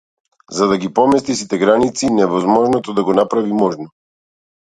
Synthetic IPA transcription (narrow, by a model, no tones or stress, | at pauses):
zad̪aɡipɔmɛst̪isit̪ɛɡɾanit̪sinɛvɔzmɔʒnɔt̪ɔd̪aɡɔnapɾavimɔʒnɔ